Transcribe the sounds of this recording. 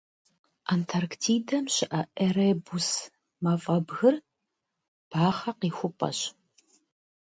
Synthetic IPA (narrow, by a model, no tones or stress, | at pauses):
ʔaːntʰɐrktʰiːdɐmɕɪʔɐʔereːbus | mɐfʼɐbɣɨr | b̥aːχɐqiːxʷʊpʼɐ̰ɕ